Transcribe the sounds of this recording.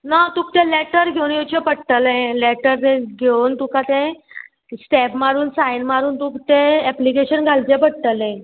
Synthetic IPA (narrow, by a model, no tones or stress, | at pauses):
nat̪ũkt̪ẽleʈəɾɡʱewnjot͡ɕẽpəɽʈ̪əlẽleʈəɾt̪ẽɡʱewnt̪ũkãt̪ẽ | sʈɛpʰmaɾuːnsajnmaɾuːnt̪ũkt̪ẽɛplikeɕənɡʱalt͡ɕẽpəɽʈ̪əlɛ̃